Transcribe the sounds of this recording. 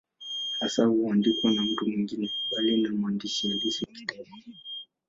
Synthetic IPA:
hasahuandikuwanam̩tumwiŋɡinɛkuɓalinamuandiʃiaɡisiki̥dɛmɔ

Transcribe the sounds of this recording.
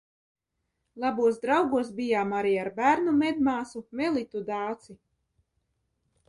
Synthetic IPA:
lˠabuɔsd̪ɾawɡuɔs̬bijaːmaɾiːaɾbæːɾnumɛd̪maːsumɛlˠit̪ud̪aːt̪si

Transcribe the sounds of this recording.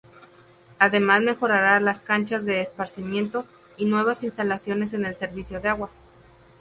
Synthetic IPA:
aðe̞mazme̞xo̞ɾaɾalaskant͡ʃazðe̞ːspaɾsimjẽ̞nt̪o̞ | inwe̞β̞asinst̪alasjo̞ne̞s̬e̞ne̞lse̞ɾβisjo̞ðeaɣwa

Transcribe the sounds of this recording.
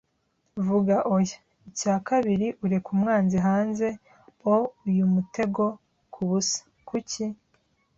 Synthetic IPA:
vuɡaʔoja | icaːkaβiɾiʔuɾe̞kumŋaːnziɦaːnze̞ | oujumute̞ɡo̞ | kʰuβusḁ | kuci

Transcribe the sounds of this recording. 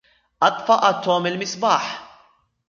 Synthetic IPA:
ʔɐt̪ːfɐʔɐt̪ːɔmɪlmɪsbɐːħ

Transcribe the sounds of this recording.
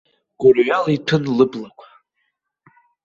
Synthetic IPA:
ɡ̥ʊrɥalitʰɨnlɨblakʷʰḁ

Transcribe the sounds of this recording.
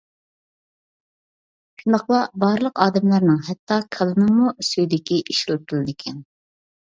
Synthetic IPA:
ʃund̪ɑχlˠɑbɑːɾlˠəqɑːd̪ɛmlˠæɾnɨŋɦɛt̪ʰːɑkʰɑlˠɨnɨmusøjd̪ɪkʲiʔiʃlp̚kʰɪlˠɪd̪ɪkʲʰɛn

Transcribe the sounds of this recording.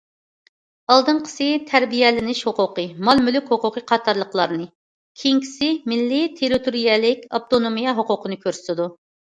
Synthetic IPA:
ɑlˠd̪ɨnqʰə̥sɨt̪ʰæɾbijɛlɪnɪʃhoqʊqəmɑlˠmylykʲhoqʊqʰəqʰɑt̪ʰɑɾlˠəqlˠɑ̰ɾnɨ | kʲʰejiŋkʲʰi̥sɪmɪlːɪt̪ʰeɾit̪ʰoɾijɛlɪkʲɑp̚t̪ʰonomijɛɦoqʊqʰənɨkʲʰøɾsɪ̥t̪ɪd̪u

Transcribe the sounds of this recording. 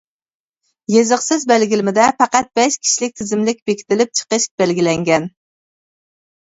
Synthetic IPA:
jezɨqsɪzbælɡʲilɪmɪd̪ɛpɑqɑt̪̚bɛʃkʲʰi̥ʃlɪk̚ʲt̪ʰɪzɪmlɪk̚ʲbekʲʰi̥t̪ʰɪlɪp̚t͡ʃʰə̥qəʃk̚ʲbælɡʲilɛŋɡʲɛn

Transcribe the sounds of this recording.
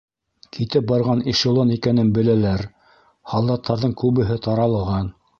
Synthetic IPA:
kʰit̪ɘp̚bɑɾʁɑniʃŏlˠonikænɘnbɘ̆lælæɾ | hɑlˠd̪ɑt̪ʰːɑɾðɤɴkʉβɘ̆ɦɘt̪ʰɑɾɑlˠɤʁɑn

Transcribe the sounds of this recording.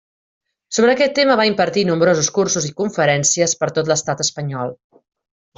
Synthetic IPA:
soβɾəːkɛt̪ːeməβ̞aimpəɾt̪inumbɾozuskursuzikuɱfəɾɛnsiəspəɾt̪ot̪̬ləst̪at̪əspəɲɔlˠ

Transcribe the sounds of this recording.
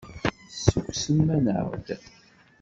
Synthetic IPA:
suksəmːænə̰ʁd̪

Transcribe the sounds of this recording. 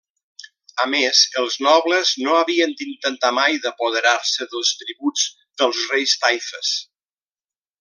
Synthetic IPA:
əmezəlˠznɔβləznoəβiənd̪int̪ənt̪amajðəpuð̞əɾaɾsəðəlˠst̪ɾiβud͡z | d̪əlˠzrejst̪ajfəs

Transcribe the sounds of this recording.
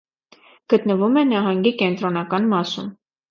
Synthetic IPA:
ɡ̥ət̪nəvumɛnɑɦɑŋɡikɛnt̪ɾɔnɑkɑnmɑsṵm

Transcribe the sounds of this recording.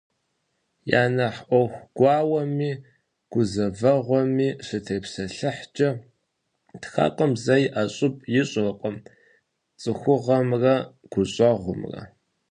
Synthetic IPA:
ja̰ːnɐħʔʷɔwxʷɡ̥ʷɑːwɐmiː | ɡ̥ʷʊzɐvɐʁʷɔmiːɕɪtʰeːpsɐɬɨħd͡ʒʼɐ | txa̰ːqʷʼəmzɐjʔaɕʼɪp̚ʼjɪɕʼqʼəm | t͡sʼɨxʷʊʁɐmrɐ | ɡ̥ʷʊɕʼɔʁʷʊmrɐ̰

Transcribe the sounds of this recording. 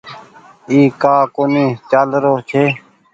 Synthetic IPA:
iːkaːkonĩːt͡ʃaːlɾoːt͡ʃʰeː

